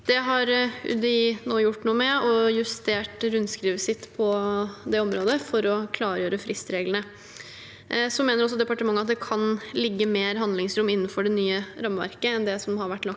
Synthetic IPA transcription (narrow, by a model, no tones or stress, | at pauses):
d̪̥ɛɦɑɾʉ̰d̪ənoːjʊʈːnuːəmɛɔjʉst̪eːʈɾʉnskɾiːʋəsɪt̪ːpʰɔd̪ɛɔmɾoːd̪əfɔɾɔkʰlɑːɾjøːɾəfɾɪst̪ɾeːɡləɳə | sɔmeːnəɾɔsːɔd̪ɛpɑʈəmɑŋːəɑt̪d̪ɛkʰɑnlɪɡːəmeːɾɦɑnd̪lɪŋsɾʊmːɪnːənfɔɖɛnyːəɾɑmːəʋæ̰ɾkəɛnd̪ɛsɔmɦɑɾʋæʈːlɑ